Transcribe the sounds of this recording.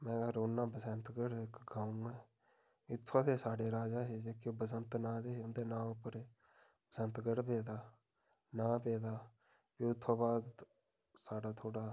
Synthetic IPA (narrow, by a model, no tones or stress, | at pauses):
mɛ̃ːɾoːnːãːbəsənt̪ɡəɽɪkɡaːũːɡɛː | ɪt̪ʰːoːt̪ʰeːsaːɖeːɾaːd͡ʒaːɦeːd͡ʒeːkoːbəsənt̪nãːd̪eːɦeʊnd̪eːnãːʊpːəɾeː | bəsənt̪ɡəɽpeːd̪aː | nãːpeːd̪aː | piʊt̪ʰːoːbaːd̪ | saːɽaːt̪ʰoːɽaː